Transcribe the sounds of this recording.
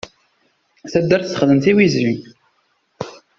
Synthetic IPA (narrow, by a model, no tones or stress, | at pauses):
θæd̪ːæɾθθə̥χðənt̪iwizɾin